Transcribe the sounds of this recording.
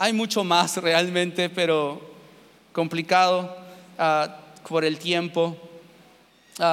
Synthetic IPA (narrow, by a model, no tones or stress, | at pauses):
ajmut͡ʃo̞masrealmẽnt̪epeɾo | komplikaðoapoɾe̞lt̪jempo | a